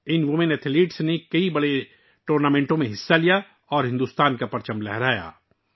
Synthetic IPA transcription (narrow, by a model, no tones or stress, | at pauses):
ɪnʋʊmɪnɛt̪ʰɪliːʈsnekɐibɐɽe | ʈoːɾnaːmẽːɳʈõmẽɦɪsːalija | ɔːɾɦɪ̃nd̪uːst̪aːnkapɐɾt͡ʃə̃mblɛɦɾaːja̰ː